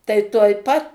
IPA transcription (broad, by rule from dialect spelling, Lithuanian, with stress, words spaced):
tɐɪ tuɔj ˈpɐt